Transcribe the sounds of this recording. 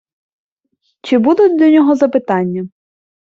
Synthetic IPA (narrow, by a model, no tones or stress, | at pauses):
t͡ʃɪbud̪ʊtʲlʲɔnʲɔɦɔzɐpɪt̪ɑnʲːɐ